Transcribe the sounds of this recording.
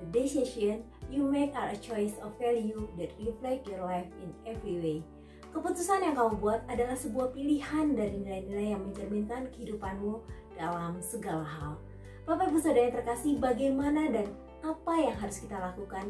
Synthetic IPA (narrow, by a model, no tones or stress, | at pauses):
deseʃɔn | jumekaɾət͡ʃɔjsɔfɛljudɛt̚riflɛkjɔrlajfinɛvɾiwe | kəput̪usanjaŋkaubuat̪̚adalahsəbuahpilihandaɾinilajnilajːaŋməɲd͡ʒərminkankəhidupanmud̥alamsəɡalaɦal | papabusadajat̪ərkasibaɡajmanadan | apajaŋɦaɾʊskit̪alakukan